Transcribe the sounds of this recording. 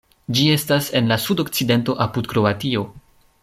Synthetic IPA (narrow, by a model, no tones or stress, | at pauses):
d͡ʒie̞stase̞nlasudo̞kt͡side̞nto̞ʔapudkɾo̞atio̞